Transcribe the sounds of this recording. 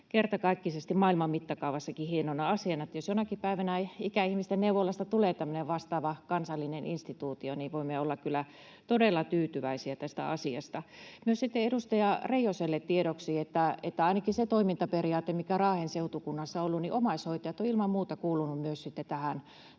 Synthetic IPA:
kert̪ɑkɑˑikːisest̪immɑilmɑmmit̪ːɑkɑˑuʋɑsːɑkihienonːɑɑsiɑnɑet̪ːjosjonɑkipæiʋænæikæihmist̪enneuʋolːɑst̪ɑt̪uleːt̪æmːøneʋʋɑst̪ɑːʋɑkɑnsɑlːineninst̪it̪uːt̪ioniʋoimeolːɑkkylːˑæ | t̪odelːɑt̪yːt̪yʋæisiæt̪æst̪æ̰ɑsiɑ̰st̪ɑmyøssit̪ːeedust̪ɑjɑreijoselːet̪t̪ieɾoksiːet̪ːæet̪ːæɑinɑkiset̪oimint̪ɑperiɑːt̪emmikærɑːhenseut̪ukunːɑsːɑolːunniʔomɑishoit̪ɑjɑt̪ːˑoilmɑmmuːt̪ɑkuːlunummyøssit̪ːet̪æhæn

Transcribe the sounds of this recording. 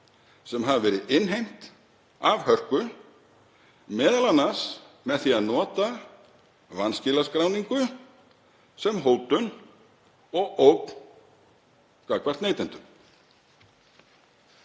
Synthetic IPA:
sɛmɦavvɛːɾɪɪnɦejm̥t̪ | avhœr̥kʏ | mɛːðalanːas | mɛðθiaðnɔːt̪a | vanscɪːlaskɾawniŋkʏ | sɛmɦoːwt̪ʏn | ɔɣowk | kakvar̥t̪neːjt̪ɪnt̪ʏm

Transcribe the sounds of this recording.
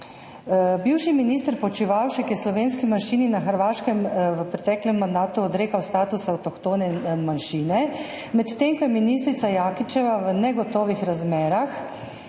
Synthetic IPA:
biwʃiminist̪əɾpɔt͡ʃiʋawʃɛkjɛslɔʋeːnskimanʃiːninaxəɾʋaːʃkɛmʋəpɾɛt̪ɛːklɛmːand̪aːt̪uɔd̪ɾeːkawst̪aːt̪usawt̪ɔkt̪oːnɛmanʃiːnɛ | mɛt̪t̪eŋkɔjɛminiːst̪ɾit̪sajaːkit͡ʃɛʋaʋənɛɡɔt̪ɔːʋixɾazmɛːɾax

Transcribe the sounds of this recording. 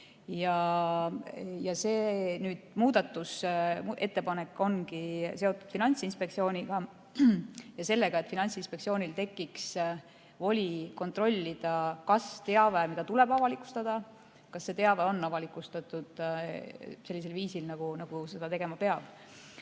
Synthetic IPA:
jɑ | jɑseːnyːd̪̥muːd̪̥ɑt̪ːˑusʔe̞t̪ːe̞pɑne̞kːo̞nkise̞o̞t̪ːˑud̪̥finɑnʲt̪sinspe̞k̚tsio̞ːnʲiɡ̥ɑ | jɑse̞lːe̞ɡ̥ɑe̞t̪ːˑfinɑnʲtsinspe̞k̪sio̞ːnʲilt̪e̞kːiks | vo̞lʲiko̞nt̪ro̞lʲːid̪̥ɑkɑst̪e̞ɑvemid̪̥ɑt̪ule̞b̥ɑvɑlikˑu̥st̪ɑd̪̥ɑ | kɑsːe̞t̪eɑveo̞nːɑvɑlikˑust̪ɑt̪ud̪̥ | se̞lːis̬e̞lviːsilnɑɡ̥unɑɡ̥use̞d̪̥ɑt̪e̞ɡemɑpe̞ɑb̥

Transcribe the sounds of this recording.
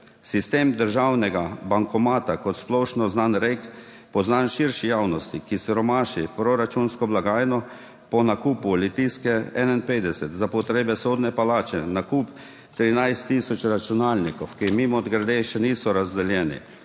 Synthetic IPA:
sist̪eːmd̪əɾʒawnɛɡabaŋkɔmaːt̪akɔt̪splɔʃnɔznanɾek | pɔznanʃiɾʃijawnɔst̪ikisɛɾɔmaːʃipɾɔɾat͡ʃunskɔblaɡaːjnɔ | pɔnakuːpulit̪iskɛɛnainpeːd̪ɛsɛt̪zapɔt̪ɾeːbɛsoːd̪nɛpalaːt͡ʃɛnakuːp | t̪ɾinajst̪ːisɔt͡ʃɾat͡ʃunaːlnikɔwkimimɔːd̪ɡɾad̪eʃɛniːsɔɾazd̪ɛljɛːnḭ

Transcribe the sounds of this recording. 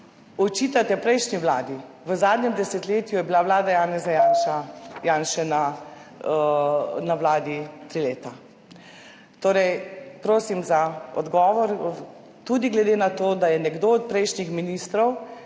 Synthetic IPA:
ɔt͡ʃiːt̪at̪ɛpɾɛjʃniʋlaːd̪i | ʋəzaːd̪nɲɛmd̪ɛsɛt̪leːt̪jujɛbilaʋlaːd̪ajaːnɛzajanʃajaːnʃɛna | naʋlaːd̪it̪ɾiːleːt̪a | t̪oːɾɛjpɾoːsimzaɔ̰d̪ɡɔːʋɔɾ | t̪ud̪iɡlɛd̪eːnat̪oːd̪ajɛnɛɡd̪oːt̪̚pɾɛjʃnixminiːst̪ɾɔw

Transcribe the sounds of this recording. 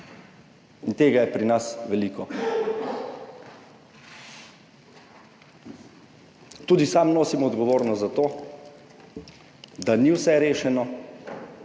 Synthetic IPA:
int̪eːɡajɛpɾinasʋɛliːkɔ | t̪uːd̪isamnoːsimɔɔd̪ɡɔʋoːɾnɔst̪zat̪oː | d̪aniwsɛɾeːʃɛnɔ

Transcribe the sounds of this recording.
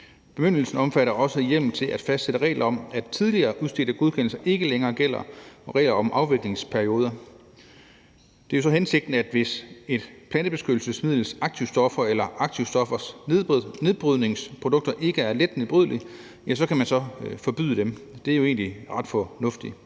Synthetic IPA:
b̥e̝møn̰l̩sn̩ɒ̽mfæɾɐʔɒ̽səjel̰m̩t͡sʰe̝lʔæd̥fæsd̥seɾ̥əʁɛ̰ːlʔɐɒ̽mæd̥t͡sʰið̞ˠliɐːʔuðˠsd̥e̝̰ːdəɡ̥o̝ð̞ˠkʰen̰l̩sɐʔe̝ɡ̥əleŋɐːɡ̥el̰ɐ̰ʁɛ̰ːlɐɒ̽mʔɑ̈ʊʋe̝ɡ̥le̝ŋspʰæɐio̝ːð̞ˠɐ | d̥e̝æosɒ̽ɦense̝ɡ̥̚d̥n̩æd̥ʋe̝se̝d̥pʰlænd̥əbe̝sɡ̥ød̥l̩səsmið̰ˠl̩sɑ̈ɡ̥̚t͡sʰiʊsd̥ɒ̽fɐelɐʔɑ̈ɡ̥̚t͡sʰiʊ̰sd̥ɒ̽fɐs | ne̝ðˠb̥ʁyð̰ˠne̝ŋspʰʁod̥ɔ̽ɡ̥̚d̥ɐʔe̝ɡ̥əæɐled̥neb̥ʁyð̰ˠli | jæsɒ̽kʰæmænsɒ̽fɒ̽b̥y̰ðˠəd̥emd̥e̝æɐjo̝e̝̰ːnliʁɑ̈d̥fɒnɔ̽fd̥i

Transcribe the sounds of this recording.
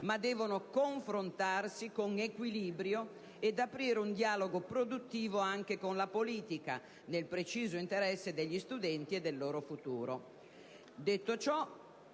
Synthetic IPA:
mad̪ːɛːvonokoɱfɾont̪arsikoŋekwiliːbɾjo | ed̪apɾiːɾeund̪jaːloɡopɾod̪ut̪ːiːvoaŋk̟ekonlapoliːt̪ika̰ | nelpɾet͡ʃiːzoint̪eɾɛsːed̪eʎːist̪ud̪ɛnt̪iɛd̪ːelːoːɾofut̪uːɾo | d̪et̪ːot͡ʃɔ

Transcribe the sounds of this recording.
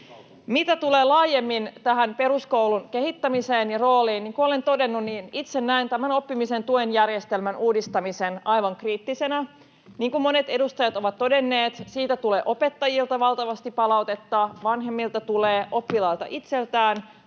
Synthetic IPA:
mit̪æt̪uleːlɑːjemːint̪æɦænpe̞ɾuskowlunke̞ɦit̪ːæmiseːnjɑro̞ːliːnniːŋkuole̞nt̪o̞de̞nːunniːnit̪senːæint̪æmæno̞pːimisent̪uenjærjest̪elmænuːdist̪ɑmisenɑjʋɑŋkriːt̪ːise̞næ | niːŋkummo̞net̪e̞dust̪ɑjɑt̪o̞ʋɑt̪to̞de̞nːeːt̪siːt̪æt̪uleːʔo̞pe̞t̪ːɑjilt̪ɑʋɑlt̪ɑʋɑst̪ippɑlɑwt̪e̞t̪ːɑʋɑnɦe̞mːilt̪ɑt̪uleːʔo̞pːilɑilt̪ɑ̰ʔit̪se̞lt̪æːn

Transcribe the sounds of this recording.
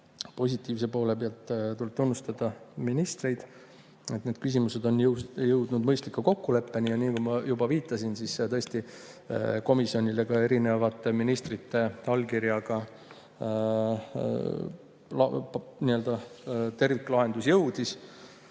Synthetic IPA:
po̞s̬ʲit̪ːˑiːvsepo̞ːle̞peɑlt̪t̪ulp̚t̪unːust̪ɑd̪̥ɑminist̪rejd̪̥ | e̞t̪neːd̪̥kys̬ʲimuse̞d̪o̞njjɤwd̪̥nud̪mɤjst̪likːuko̞kːule̞pːe̞nijɑniːkujmɑjubɑviːt̪ˑːɑsinsist̪ɤ̞est̪i | ko̞misjo̞nʲile̞ɡɑe̞ɾine̞vɑt̪ːˑeminist̪rit̪ːe̞t̪ɑlkiɾjɑɡ̥ɑ | lɑniø̞ld̪ɑt̪e̞rvikːlɑɦe̞nd̪usjɤwd̪is

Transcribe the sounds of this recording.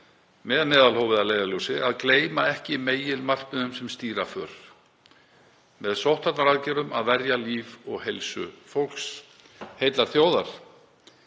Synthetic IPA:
mɛːðmɛːðalhɔwvɪðaleːjɣalowsɪaðkleːjmaɛhcɪmeːjɪlmar̥pʏnʏmsɛmst̪iːɾafœɾ̥ | mɛðsowht̪at̪naɾaðcɛːɾʏmaðvɛɾjaliːvɔɣhejlsʏ̰fowl̥ks | hejt̪laɾ̥θjoːwðaɾ̥

